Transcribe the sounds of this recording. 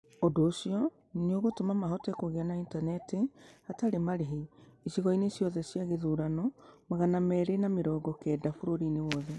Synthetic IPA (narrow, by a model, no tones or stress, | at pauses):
odoːsiɔ | neoɣotomamaɦɔtekoɣeanaintanɛtehataɾemaɾeɦeisiɣɔinesjɔðɛsjaɣeðuɾanɔmaɣanamɛːɾenameɾɔːɡɔkɛːdafoɾoɾinewɔðɛ